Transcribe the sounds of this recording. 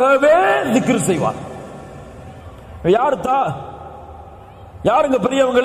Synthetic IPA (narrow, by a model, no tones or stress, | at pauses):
ɐʋeːnɪkːɪɾɯsɛjʋa̰ːn | ɐjaːɾɯt̪ːãː | jaːɾɪŋɡɐpːɛɾɪjɐɐʋɐŋɡɐɭ